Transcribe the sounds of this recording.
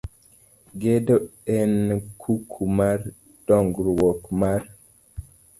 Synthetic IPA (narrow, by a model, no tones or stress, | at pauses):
ɡedoɛnkʰukʰumaɾ | d̥ɔŋɡɾwɔkmaɾ